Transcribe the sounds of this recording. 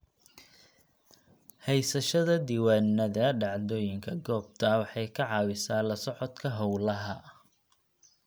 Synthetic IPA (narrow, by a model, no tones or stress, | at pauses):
hɛjsɐʃɐðɐd̪iːwaːnːɐðɐɖɑʕd̪ɔːjɪŋkʰɐɡɔːb̚t̪ʰɐwɑħɑjkʰɐʕɑːwɪsaːlɐsɔʕɔt̪kʰɐɦɔwlɐɦɐ